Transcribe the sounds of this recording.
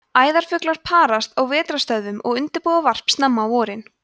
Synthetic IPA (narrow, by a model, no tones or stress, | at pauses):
aːjðaɾ̥fʏklaɾ̥pʰaːɾast̪awvɛːt̪ɾast̪œðʏmʔɔ̰ɣʏnt̪ɪɾpɔðavar̥pst̪namːaːwɔːɾɪn